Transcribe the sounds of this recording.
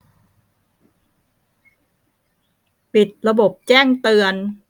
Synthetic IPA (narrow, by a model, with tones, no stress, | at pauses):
pi˨˩t̪̚ɾa˧bo˨˩p̚t͡ɕɛː˥˩ŋt̪ɯ˧ən